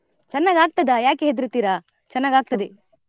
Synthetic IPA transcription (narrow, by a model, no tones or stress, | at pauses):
t͡ʃɐnːaːɡaːɡ̚t̪ɐd̪ɐjaːkeɦed̪iɾit̪ːiːɾa | t͡ʃɐnːaːɡaːɡ̚t̪ɐd̪e